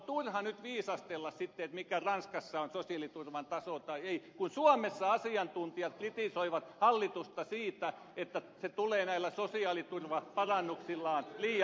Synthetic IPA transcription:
t̪urhɑnyt̪ʋiːsɑst̪elːɑssit̪ːeet̪mikærɑnskɑsːɑonsosiɑlit̪urʋɑnt̪ɑsot̪ɑieikunsuɑmesːɑɑsiɑnt̪unt̪iɑt̪̚krit̪isoiʋɑt̪hɑlːit̪ust̪ɑsiːt̪æ | et̪ːæ | set̪uleːnæilːæsosiɑːlit̪urʋɑpɑrɑnːuksilːɑːnliː

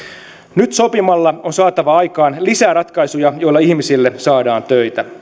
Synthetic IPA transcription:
nyt̪so̞pimɑlːɑonsɑːt̪ɑʋɑɑjkɑːnlisæːrɑt̪kɑjsujɑjo̞ilːɑihmisilːesɑːdɑːnt̪øjt̪æ

